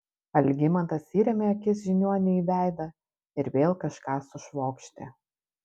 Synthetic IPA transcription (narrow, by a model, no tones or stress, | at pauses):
ɐlʲɡʲɪmɐnt̪ɐsʲiːɾʲɛmʲeɐkʲɪs̬ʒʲɪnʲuɔnʲɛiːʋʲæˑɪd̪ɐ | ɪɾʋʲeːlˠkɐʃkɑːsʊʃʋoːkʃʲt̪ʲḛː